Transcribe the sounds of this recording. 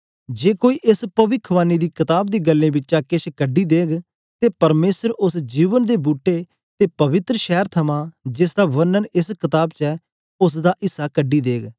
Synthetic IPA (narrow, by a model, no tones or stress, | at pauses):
d͡ʒeːkoːiːʔɪspəʋɪkʰʋaːniːd̪iːkɪt̪aːbd̪iːɡəlːẽːbɪt͡ʃt͡ʃaːkɪt͡ʃʰkəɖiːd̪eːɡ | t̪eːpəɾmeːsəɾʊsd͡ʒiːʋənd̪eːbuːʈːeː | t̪eːpəʋɪt̪ɾəʃɛːəɾt̪ʰəmãːd͡ʒɪsd̪aːʋənːənɪskɪt̪aːbt͡ʃɛː | ʊs̬d̪aːʔɪsːaːkəɖːiːd̪eːɡ